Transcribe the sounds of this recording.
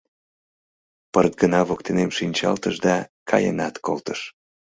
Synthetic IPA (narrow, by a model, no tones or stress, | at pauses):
pərt̪̚ɡənɑβokt̪enemʃinʲt͡ɕɑlt̪əʃd̪ɑkʰɑ̰jə̰nɑt̪ko̰lt̪əʃ